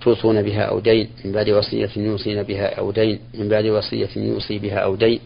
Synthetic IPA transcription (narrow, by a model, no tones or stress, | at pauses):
t̪ʰuːsˤuːnabɪɦa̰ːʔa̰wd̪ajnmɪmbaʕd̪ɪwɑsˤɨ̰jːajuːsˤiːnabɪɦaːʔa̰wd̪ajnmɪmbaʕd̪ɪwɑsˤɨ̰jːajṵːsibɪɦaːʔawd̪ajn